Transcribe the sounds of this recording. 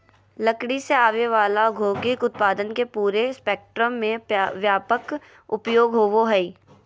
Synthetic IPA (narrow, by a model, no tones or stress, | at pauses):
ləkɽiseaːʋeʋaːlaɡʱoːkɪkʊt̪̚paːd̪ənkepuːɾespeːk̚ʈɾəmːẽʋjaːpək | ʊpjoːɡɦoːʋoɦɛi